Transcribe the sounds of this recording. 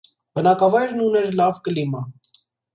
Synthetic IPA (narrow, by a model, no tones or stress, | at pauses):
b̥ənɑkɑvɑjɾnunɛɾlɑvkəlimɑ